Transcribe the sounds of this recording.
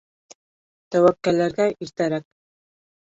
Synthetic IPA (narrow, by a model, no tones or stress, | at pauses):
t̪æwækːælːæɾɡæʔiɾt̪æɾæk̚